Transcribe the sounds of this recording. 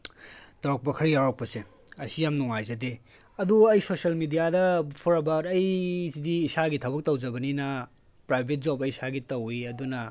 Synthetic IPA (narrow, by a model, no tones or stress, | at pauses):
toɾɐk̚pɐkʰɐɾijawɾɐk̚pɐse | ɐsijamnuŋajzɐde | ɐduɐjsosɐlmidijadɐpʰuɾɐbaɾɐjsidiːsaɡitʰɐbɐk̚tɐwzɐbɐninɐ | pɾajbʱet̚zobɐjisaɡitɐwiɐdunɐ